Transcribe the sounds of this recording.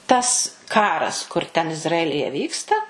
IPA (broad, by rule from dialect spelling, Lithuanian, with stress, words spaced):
ˈtɐs ˈkɑːrɐs kʊr ˈtʲɛn ɪzrɐˈæːlʲɪjɛ ˈʋʲiːkstɐ